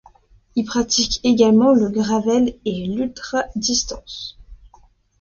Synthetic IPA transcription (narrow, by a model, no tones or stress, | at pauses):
ilpχat̪ikeɡalmɑ̃ləɡʁavɛlelylt̪χad̪ist̪ɑ̃s